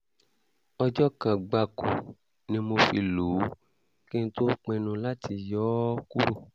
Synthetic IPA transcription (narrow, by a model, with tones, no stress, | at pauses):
ɔ˧d͡ʒɔ˦kã˨ɡ͡ba˧ku˨ | nĩ˧mo˧fi˧lu˨˦ | kẽ˦n˦to˦k͡pẽ˧nũ˧la˦tʰi˧jɔ˦ku˦ɾo˦˨